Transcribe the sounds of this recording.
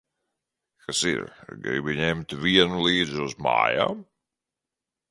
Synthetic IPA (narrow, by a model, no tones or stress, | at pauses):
kasḭɾɡɾɛ̰jbiɲɛmt̪viɛnulˠiːd̪zuzma̰ːja̰ːm